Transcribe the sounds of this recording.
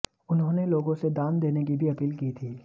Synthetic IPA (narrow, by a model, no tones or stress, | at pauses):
ʊnɦõneloːɡõsed̪aːnd̪eːnekibʱiɐpiːlkiːt̪ʰiː